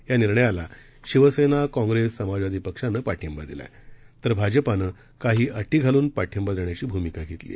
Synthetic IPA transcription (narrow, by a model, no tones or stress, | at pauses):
janiɾɳəjala | ɕiʋəsenakɔ̃ŋɡɾesːəmad͡zʋad̪ʱiːpəkʂanəːpaʈʰimbad̪ila̰t̪əɾbʱad͡ʑəpanə | kaɦiːʔəʈiːɡʱaluːnpaʈʰjəmbad̪eɳjat͡ɕiːbʱumikaɡʱet̪lḭː